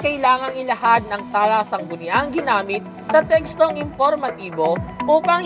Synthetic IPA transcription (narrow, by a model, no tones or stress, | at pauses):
kɐʔjlaːŋɐŋɪlɐhad̪̚nɐŋt̪aːlasɐŋɡʊnɪaŋɡɪnaːmɪt̪̚ | sɐt̪ɛkst̪o̞ŋɪmpoɾmɐt̪iːbo̞ʔuːpɐŋ